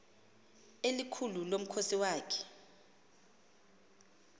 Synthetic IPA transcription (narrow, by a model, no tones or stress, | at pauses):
elikʰululom̩kʰosiwaːkʰɛ̥